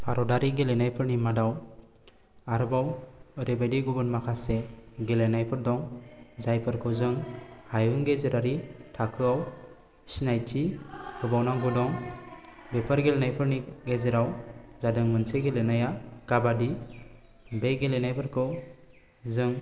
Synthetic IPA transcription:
pʰaɾɔɖaɾiɡelɛnajpəɾnimadaw | aɾbawɾebeɖiɡubənmakʰaseɡelenajpəɾd̪ɔŋzajpəɾkɔwzɯŋhajɯŋɡezɾaɾiʈʰakʰɯaw | snajt͡ʃikʰəbawnaɡudɔŋ | bepəɾɡelɛnajpəɾniɡezɾawzadɯŋmənseɡelenajakabadi | beɡelɛnajpəɾkɔw | d͡zɯŋ

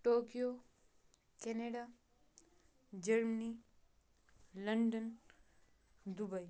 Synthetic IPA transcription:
ʈoːkijo | keneɖa | d͡ʒɐɾməni | lɐɳɖən | d̪ubɐj

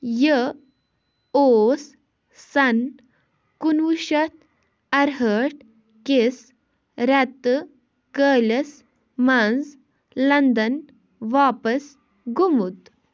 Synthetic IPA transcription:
jə | oːs | sɐn | kunʋuʃɐt̪̚ʰ | ɐɾɦəːʈ̚ | kes | ɾɛt̪ːɨ | kəːlʲɐs | mɐnz | lɐnd̪ɐn | ʋaːpɐs | ɡʱumut̪

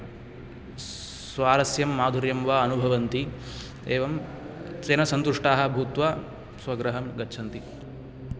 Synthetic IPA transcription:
sʋaːɾɐsjɐmːaːd̪ʱuɾjɐmʋaːɐnubʱɐʋɐnt̪i | eːʋɐm | t͡ʃeːnɐsɐnt̪uʂʈaːɦɐbʱuːt̪ʋa | sʋɐɡɾɐɦɐmɡɐtːʃʰɐnt̪i

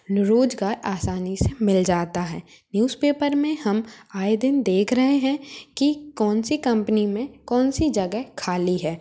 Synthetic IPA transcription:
ɾoːd͡ʒɡaːɾaːsaːnisemɪld͡ʒaːt̪aɦɛː | njuːzpeːpəɾmẽhɐmaːed̪ɪnd̪eːkʰɾɐɦeɦɛ̃kikɔːnsikɐ̃mpənimẽkɔːnsid͡ʒɐɡɛɦkʰaːliɦɛː

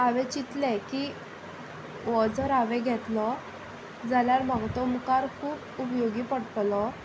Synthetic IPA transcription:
aʋɛ̃t͡ɕit̪lɛki | ʋɔd͡zɔɾaʋɛ̃ɡʱɛt̪lɔ | d͡zaljaɾm̤aɡt̪ɔmukaɾkʰuːpupjoɡiːpəɽt̪lɔ

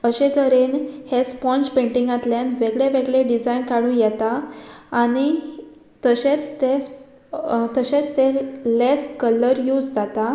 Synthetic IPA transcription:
əɕẽd͡zəɾenhespɔ̃nt͡ɕpẽɳʈiŋɡat̪ljanʋeɡɭeʋeɡɭeɖid͡zajnkaɽũːnjɛt̪aː | ñi | t̪əɕẽt͡st̪es | t̪əɕet͡st̪eleskələɾjuːd͡zd͡zat̪a

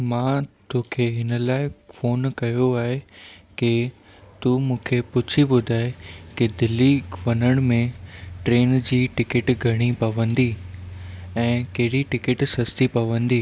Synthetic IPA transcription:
mãːt̪oːkʰeɦɪnə̆laːɪfoːnkɐjoaːɦeke | t̪umũːkʰepʊt͡ɕʰibʊd̪ʱaːekɪd̪ɪlːiːʋɐnəɽ̃mẽʈɾeːnd͡ʑiːʈɪkɪʈɡʱɐɽ̃ipɐʋə̃nd̪iː | ɛ̃ːkɐɦɪɽiʈɪkɪʈsɐst̪ipɐʋə̃nd̪iː

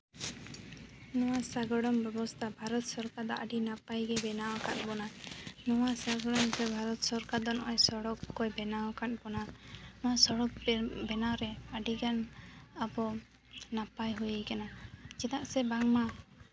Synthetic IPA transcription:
nɔwasaɡɔɽɔmbɛbɔst̪ʰabʱaɾɔt̪̚sɔɾkad̪ɔʔaɖinapajɡɛbɛnawakat̪̚bɔnanɔwasaɡɔɽɔmt̪ɛbʱaɾɔt̪sɔɾkad̪ɔnɔʔɔjsɔɽɔkkɔjbɛnawkat̪̚ˀbɔnanɔwasɔɽɔk̚bɛnawɾɛaɖiɡanabɔ | napajɦujəjkanad͡ʒɛt̪aʔsɛbaŋma

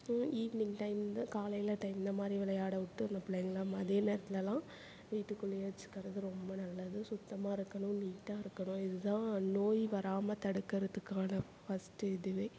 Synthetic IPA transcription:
iːʋnɪŋʈɐɪmnd̪ɐkaːlɐjɪlɐʈɐɪmɪnd̪ɐmaːd̪ɾiʋɪlɐjaːɽɐʊʈːɯɾnɐpɪɭɐːŋɡɐlaːmɐðeːneːɾɐt̪ːɪlɐlãː | ʋiːʈːɯkːɯlɪjeːt͡ʃːɯ̥kːɐɾɐðɯɾɔmbɐnɐlːɐðɯsʊt̪ːɐmaːɪɾɯkːɐɳʊ̃niːʈːaːɪɾɯkːɐɳʊ̃ɪðɯðãːnoːjʋɐɾaːmɐt̪ɐɽɯkːɐɾɐt̪ːɯkːaːnɐ | fɐsʈɯɪðɯʋeː

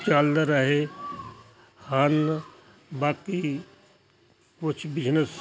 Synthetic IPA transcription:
t͡ʃaːld̪əɾaɦe | han | baːk̪i | kʊt͡ʃʰbɪd͡ʒnəs

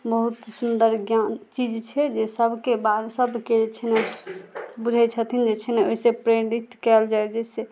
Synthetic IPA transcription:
bəɦut̪sund̪əɾɡjant͡ʃid͡ʒt͡ʃʰɛd͡ʒesəbʱkebad̪səbʱkeet͡ʃʰɛnɛ | bud͡ʒʱɛt͡ʃʰət̪ʰind͡ʒet͡ʃʰɛnɛoɦisepɾeɾit̪kɛld͡ʒaɛd͡ʒese

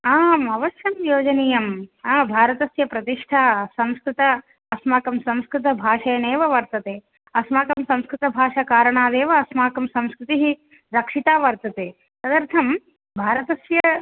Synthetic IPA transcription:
aːmɐʋɐʃjɐmjoːd͡ʒɐniːjɐmaːbʱaːɾɐt̪ɐsjɐpɾɐt̪iʂʈʰaːsɐ̃mskɾɪt̪ɐ | ɐsmaːkɐmsɐ̃mskɾɪt̪ɐbʱaːʂɐjɐneːʋɐʋɐɾt̪ɐt̪eː | ɐsmaːkɐmsɐ̃mskɾɪt̪ɐbʱaːʂɐkaːɾɐɳaːd̪eːʋɐːsmaːkɐmsɐ̃mskɾɪt̪iɦi | ɾɐkʂit̪aːʋɐɾt̪ɐt̪eː | sɐd̪ɐɾt̪ʰɐm | bʱaːɾɐt̪ɐsjɐ

